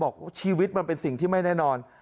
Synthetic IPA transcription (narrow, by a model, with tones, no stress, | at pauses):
bɔː˨˩k̚wa˥˩t͡ɕʰiː˧wi˦˥t̪̚ma˧npe˧nsi˨˩ŋt̪ʰiː˥˩ma˥˩jnɛː˥˩nɔː˧n